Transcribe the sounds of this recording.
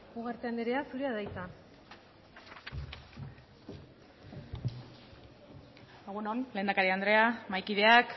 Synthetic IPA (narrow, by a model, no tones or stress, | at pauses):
ɣuɣaɾt̪eand̪eɾe̞asuɾeaðajt͡sa | eɣ̞uno̞nle̞ːnd̪akaɾiand̪ɾe̞amajkiðe̞ak